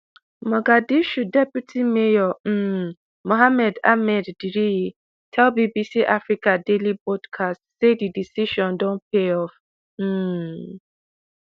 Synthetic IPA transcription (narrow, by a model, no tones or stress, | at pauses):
maɡadiʃudɛpjutʰimejɔm̩ | moɦamɛda̰mɛdːiɾii | tʰɛlbibisiʔafɾikadelibɔdkʰastsedidisiʃɔ̃ndɔ̃npeɔf | m̩